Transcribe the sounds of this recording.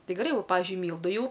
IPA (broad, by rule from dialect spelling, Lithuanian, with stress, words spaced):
ˈtɐɪ ɡʲɛˈrɐɪ ˈʋoː ˈpɑːʋʲɪzʲd͡ʒʲʊɪ ˈmʲiːlˠdʊ ˈjɛʊ